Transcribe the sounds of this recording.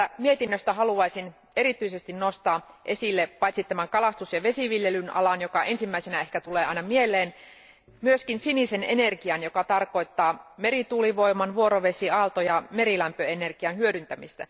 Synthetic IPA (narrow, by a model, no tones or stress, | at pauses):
æmiet̪inːøst̪æɦɑluɑisin | e̞rit̪yisest̪innost̪ɑːʔe̞silːeppɑjt̪sit̪æmæŋkɑlɑst̪usjɑʋe̞siʋiljelynɑ̰lɑnjokɑʔensimːæisenæe̞hkæt̪uleːɑinɑmielːˑeːn | myøskinsinisenenerkiɑnjokɑt̪ɑrkoit̪ːɑːme̞rit̪uːliʋoimɑnʋuoɾoʋe̞siɑlt̪ojɑmeɾilæmpøenerɡ̥iɑnhyødynt̪æmist̪æ̰